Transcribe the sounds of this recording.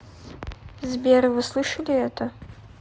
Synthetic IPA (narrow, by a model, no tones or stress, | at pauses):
zbʲerɨvɨslˠɨʂɐlʲiɛtʰɐ